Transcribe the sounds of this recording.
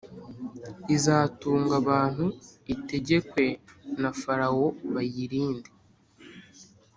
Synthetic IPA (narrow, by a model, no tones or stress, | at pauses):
izaːtuːŋɡaβaːn̥huite̞ɟe̞kwe̞nafaɾawo̞βajiɾiːndi